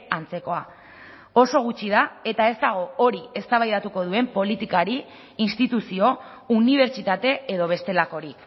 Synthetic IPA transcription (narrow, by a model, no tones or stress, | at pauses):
ant͡se̞ko̞a | o̞so̞ɣ̞ut͡ʃið̞ae̞t̪ae̞zd̪aɣ̞o̞oɾie̞st̪aβajðat̪uko̞ð̞ue̞mpo̞lit̪ikaɾiː | nst̪it̪usio̞ | uniβ̞e̞ɾt͡ʃit̪at̪e̞eðo̞β̞e̞st̪e̞lako̞ɾik